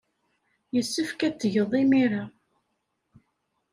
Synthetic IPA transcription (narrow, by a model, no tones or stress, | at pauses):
jəsːəfkæt͡sːəʝəðˤimiɾa